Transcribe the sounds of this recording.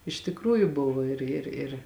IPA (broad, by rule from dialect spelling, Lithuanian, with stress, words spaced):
ɪʃ tʲɪkˈruːjʊ ˈbʊʋoː ˈɪr ɪr ɪr